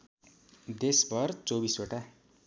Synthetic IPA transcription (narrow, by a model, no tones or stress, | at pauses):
d̪esbʱʌrt͡sobisoʈa